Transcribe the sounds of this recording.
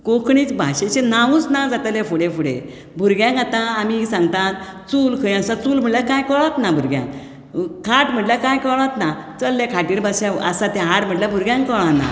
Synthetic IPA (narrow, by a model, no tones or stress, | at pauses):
kokɳiːt͡sbʱa̰ɕet͡ɕenauːt͡snad͡zat̪lefuɽefuɽḛ | bʱuɾɡjãŋkat̪ãːmisãŋɡt̪ãt̪ | t͡suːlkʰəj̃asat͡suːlm̤əʈljakãjkəɭat̪nabʱuɾɡjã̰k | kʰaʈm̤əʈljakãjkəɭãt̪nat͡səlːekʰaʈiːɾbasjaə̰sat̪ãɦaʈm̤əʈljabʱuɾɡjãŋkkəɭãna̰